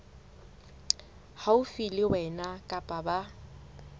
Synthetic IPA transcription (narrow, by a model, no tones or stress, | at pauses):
haʊfilɪwɛnakʼapʼaba